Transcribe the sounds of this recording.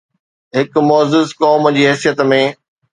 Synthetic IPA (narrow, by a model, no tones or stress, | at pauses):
ɦɪkmɔːzɪzkɔːmd͡ʑiːɦɛːsijət̪mẽː